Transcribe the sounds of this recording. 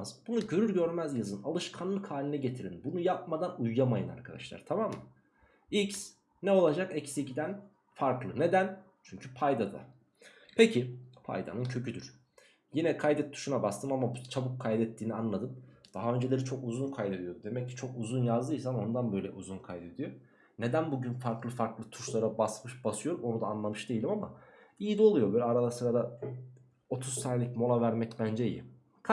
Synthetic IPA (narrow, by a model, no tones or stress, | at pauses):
zbunuɟøɾyɾɟøɾmæzjazɯnalˠɯʃkʰanlˠɯkʰhaːlʲinɛɟe̞t̪ʰiɾinbunujap̚mad̪anujːamajɯna̰ɾkʰad̪a̰ʃlˠa̰ɾt̪ʰamamːɯ | ics | nɛo̞lˠad͡ʒakɛcsiɟid̪æn | faɾklˠɯne̞d̪æn | t͡ʃʰyɲcʰypʰajd̪ad̪a̰ | pʰe̞cʰipʰa̰jd̪a̰nɯncʰø̞cʰyd̪yɾ̥ | jinɛkʰajd̪ɛt̪̚d̪ʰu̥ʃunabast̪ʰɯmamabut͡ʃʰabukʰːajd̪ɛt̪ʰːiːnianlˠad̪ɯmd̪̥aɦaø̞nd͡ʒelʲe̞ɾit͡ʃʰo̞kuzunkʰajd̪e̞d̪ijo̞d̪d̪e̞mɛcːi̥t͡ʃʰo̞kuzunjazd̪ɯjsano̞nd̪anbøjlʲɛ̰ʔuzunkʰajd̪e̞d̪ijo̞ | ne̞d̪ænbuɟynfaɾklˠɯfaɾklˠɯt̪ʰu̥ʃlˠaɾabasmɯʃbasɯjo̞ɾmo̞nud̪aːnlˠamɯʃd̪e̞jilʲimamaijid̪olˠujo̞bøjlʲɛaɾalˠasɯɾad̪a | o̞t̪ʰuz̥t̪ʰaːnelʲicmo̞lˠavæɾmɛcbænd͡ʒejḭ | kʰ